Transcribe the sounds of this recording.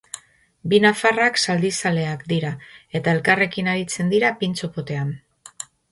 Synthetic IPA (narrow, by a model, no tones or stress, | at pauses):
binafaraksald̪isale̞akd̪iɾae̞t̪ae̞lkare̞kinaɾit͡se̞nd̪iɾapint͡so̞po̞t̪e̞an